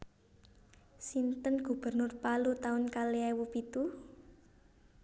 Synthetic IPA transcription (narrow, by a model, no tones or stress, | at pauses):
sint̪ənɡ̥ṳb̥ə̤rnʊrpalut̪aʊnkaleawupit̪u